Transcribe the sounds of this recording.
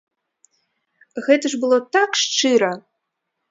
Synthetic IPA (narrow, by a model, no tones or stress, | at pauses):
ɣɛt̪ɐʐbɨlˠɔt̪akʂt͡ʂɨɾɐ